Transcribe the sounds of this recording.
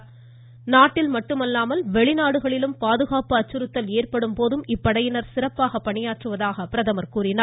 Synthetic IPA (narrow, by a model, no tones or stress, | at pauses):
naːʈːɪlmɐʈːɯmɐlːaːmɐlʋɛɭɪnaːɽɯɣɐɭɪlɯmpaːðɯɣaːpɯɐt͡ʃːɯɾɯt̪ːɐleːrpɐɽɯmpoːðɯmɪpːɐɽɐjɪnɐɾsɪrɐpːaːɣɐpːɐɳɪjaːʈrɯʋɐðaːɣɐpɪɾɐðɐmɐɾkuːrɪnɐɾ